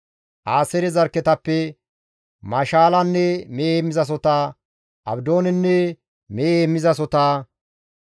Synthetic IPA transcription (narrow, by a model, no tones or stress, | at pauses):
ʔaːsɛɾɛzɐɾkːɛt̪ɐpːɛ | mɐʃaːlɐnːɛmeemːɪzɐs̬ɔt̪aː | ʔɐ̰bd̪o̞ːnɛnːɛ | meemːɪzɐs̬ɔt̪aː